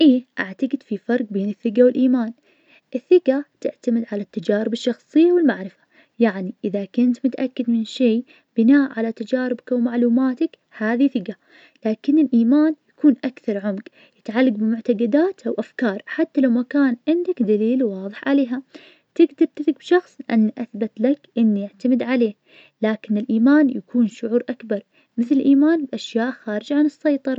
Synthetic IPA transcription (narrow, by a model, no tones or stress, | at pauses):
ʔiːʔaʕt̪aɡɪd̪fifɑɾˤq̚beːnɪθːɪqawɪlʔiːmaːn | ʔɪθːɪqat̪ɪʕt̪amɪd̪ʕalat̪ːad͡ʒaːɾɪbɪʃːɑxsˤɨjːawɪlmaʕɾɪfḁ | jaʕniʔɪðakʊnt̪mʊt̪ʔakːɪd̪mɪnʃeː | b̥ɪnaːʔʕalat̪ad͡ʒaːɾɪbkawmaʕluːmaːt̪ak | haːðiθɪqa | laːkɪnːɪlʔiːmaːnjakuːnʔakθɑɾˤʕʊmɡ | jɪt̪ʕalːaɡbɪmʊʕt̪aɡad̪aːt̪ʔawʔafkɑːɾˤħat̪ːalawmakaːnʕɪnd̪akd̪aliːlwɑːðˤɨħʕaleːɦa | t̪ɪɡd̪ɪɾt̪ɪθɪɡ̚bʃɑxsˤlɪʔanːʔaθbat̪lakʔɪnːijɪʕt̪amɪd̪ʕaleː | laːkɪnɪlʔiːmaːnjakuːnʃʊʕuːɾʔakbɑɾˤ | mɪθlɪlʔiːmaːnbʔaʃjaːʔxaːɾɪd͡ʒʕanɨsːɑjt̪ˤɑɾˤɑ